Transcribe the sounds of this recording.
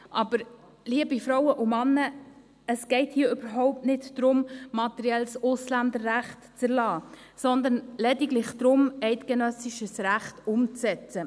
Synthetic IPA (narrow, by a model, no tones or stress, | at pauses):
ʔɑbəɾ | liəbifɾɔwəʔumɑnːə | əsɡ̥ɛɪthiːəʏbəɾɦɔʊp̚tnɪtd̥ɾʊmmɑt̪ɛɾjɛlsʊslænd̪əɾːæχtt͡səɾlɑːsɔnd̪ənlɛdiɡlɪχd̪̥ɾʊmɛɪt̪ɡ̥ɛnœsiʃəsɾæχtʊmt͡sɛt͡sə